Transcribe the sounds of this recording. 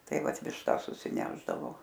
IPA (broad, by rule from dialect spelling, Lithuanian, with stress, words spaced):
ˈtɐɪ ˈʋɐt ʋʲɪʃˈtɐs sʊsʲɪˈnʲæːʒdɐʋoː